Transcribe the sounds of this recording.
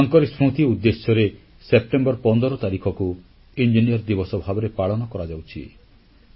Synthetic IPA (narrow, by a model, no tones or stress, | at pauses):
ɔŋkɔɾesɾut̪iud̪ːesjɔɾe | sep̚ʈembɔɾpɔnd̪ɔɾɔt̪aɾikʰɔku | ind͡ʒiniɔɾd̪ibɔsɔbʱabɔɾepaɭɔnɔkɔɾad͡ʒawt͡ʃʰḭ